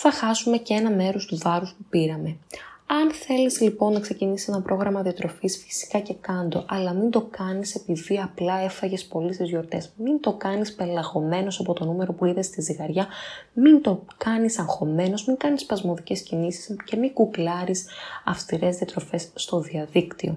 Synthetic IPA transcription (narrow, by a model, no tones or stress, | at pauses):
θɐxɐsume̞ceenɐme̞ɾo̞st̪uvɐɾuspupiɾɐme̞ɐnθe̞lizlipo̞nːɐkse̞cinisise̞nɐpɾʔo̞ɣɾɐmɐðiɐt̪ɾo̞fisfi̥si̥kɐce̞kɐnd̪o̞̰ʔɐlɐmind̪o̞kɐnise̞piðiɐplɐe̞fɐʝe̞spo̞list̪izʝo̞ɾt̪e̞smind̪o̞kɐnispe̞lɐɣo̞me̞no̞sɐpo̞t̪o̞nume̞ɾo̞puiðest̪iziɣɐɾʝɐmind̪o̞kɐnisɐŋxo̞me̞no̞zmiŋkɐnispɐzmo̞ðice̞scinisi̥sce̞miɡuklɐɾisɐfst̪iɾe̞zðiɐt̪ɾo̞fe̞sːt̪o̞ðiɐðikt̪io̞̰